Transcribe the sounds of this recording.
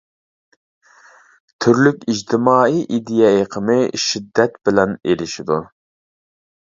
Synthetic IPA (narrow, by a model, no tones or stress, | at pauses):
t̪ʰyɾlykʲid͡ʒt̪ʰɪmɑːiʔid̪ijɑeqʰəmɨʃid̪ːɛt̪bɪlɛnelɪʃid̪u